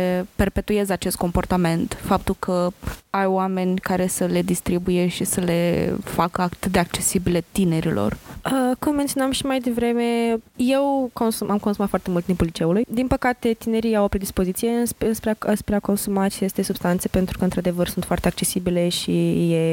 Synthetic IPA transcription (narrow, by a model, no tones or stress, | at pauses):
pe̞rpe̞t̪ujezat͡ʃe̞st̪̚ko̞mpo̞rt̪ame̞nt̪fap̚t̪ulkʰəajwame̞nʲkaɾe̞səle̞d̪ist̪ɾibuje̞ʃisəle̞fakəat̪ɨt̪̚d̪eak̚t͡ʃe̞sibilet̪ine̞ɾḭlʔo̞̰rəkummːent̪ijonamʃimajd̪e̞vɾe̞me̞je̞wkonsuʔamkonsumat̪foart̪emult̪impulːit͡ʃe̞ulujd̪inpəkat̪e̞t̪ine̞ɾiawpɾed̪ispo̞zit̪sije̞ɨnspɨnspɾeaspɾeako̞nsumat͡ʃe̞st̪e̞sub̥st̪ant̪se̞̥pe̞nt̪ɾu̥kəɨnt̪ɾad̪e̞vərsunt̪foart̪eak̚t͡ʃe̞sibile̞ʃije